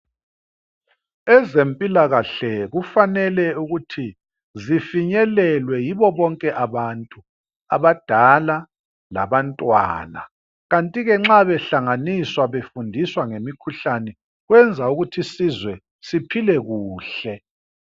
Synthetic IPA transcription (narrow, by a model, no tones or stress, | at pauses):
ɛzempʼilaɣaɬɛɣufanɛlɛuɣutʰi | zifiɲɛlɛlwɛjiβɔβɔŋkʼɛʔaβantʼu | a̰βad̥ʱala | la̰βantʼwa̰ːna̰ | ɣantʼiɣɛŋ͡ǁaβɛɬaŋaniswaβefundʱiswaŋemikʰuɬanɛ | ɣwɛnd͡zʱauɣutʰisizwɛ | sipʰilɛɣuːɬɛ